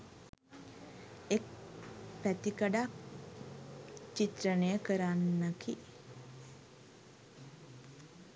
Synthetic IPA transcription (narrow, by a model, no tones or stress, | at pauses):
ek̚pæt̪ikəɖak | t͡ʃit̪ɾənəjəkəɾanːəki